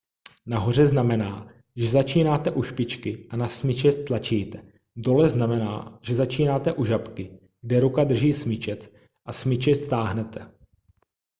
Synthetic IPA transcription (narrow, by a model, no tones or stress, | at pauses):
naɦo̞r̝ɛznamɛna̰ː | ʒɛzat͡ʃiːnaːt̪ɛʔuʃpɪt͡ʃkɪʔanasmɪt͡ʃɛt̪lat͡ʃiːt̪ɛ | do̞lɛznamɛna̰ːʒ̥ɛzat͡ʃiːnaːt̪ɛʔuʒapkɪ | ɡ̚dɛɾukad̪r̩ʒiːsmɪt͡ʃɛt͡s | ʔasmɪt͡ʃɛst̪aːɦnɛt̪ʰɛ